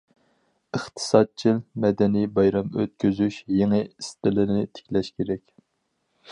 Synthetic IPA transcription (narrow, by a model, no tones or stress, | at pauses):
əχt̪ʰɨ̥sɑd̪̚t͡ʃʰilmɛd̪ɛnijbɑjɾɑmø̰t̪̚kʲyzyʃjeŋɨist̪ɪlɪnɪt̪ʰe̥kʲlɛʃkʲʰeɾɛkʲ